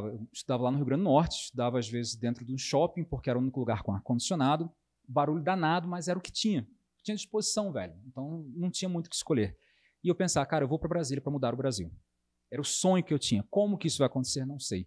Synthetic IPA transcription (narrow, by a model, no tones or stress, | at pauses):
avɐewɪʃt̪ud̪avɐlanʊɦiuwɡɾɐ̃nd̪ʊnɔɾt͡ʃɪɪʃt̪ud̪avɐazvezɪzd̪ẽnt̪ɾʊd̪ũʃɔpĩpoχkeɛɾɐũnikʊluɡaɾkõakõd͡ʒisionad̪ʊ | baɾuʎʊʊd̪anad̪ɐmɐzɛɾɐʊkɪ̥t͡ʃĩɲɐ̥ | t͡ʃĩɲɐd͡ʒiʃpozisɐ̃w̃vɛ̰ʎʊẽnt̪ɐ̃w̃nɐ̃w̃t͡ʃĩɲɐmũj̃t̪ʊ̥kɪsʃkoʎeɾ | ɪewpẽsavɐkaɾɐewvowpɾɐbɾaziljɐpɾɐmud̪aɾʊbɾazḭw | ɛɾɐʊsõɲʊkɪewt͡ʃĩɲɐkõmʊkɪisʊvajakõt̪e̥seɾnɐ̃w̃sej